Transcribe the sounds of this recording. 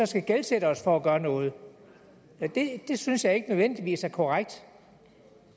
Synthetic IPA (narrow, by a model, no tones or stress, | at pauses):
ɒ̽sɡ̥æɡ̥elseɾ̥əɒ̽sfɒæɡ̥ɶːɐnɔ̽ːð̞̩ˠ | d̥e̝d̥e̝synsjɑ̈ɪe̝ɡ̥ənøðˠʋen̰d̥iʋḭːsæɐkʰɒʁaɡ̥̚d̥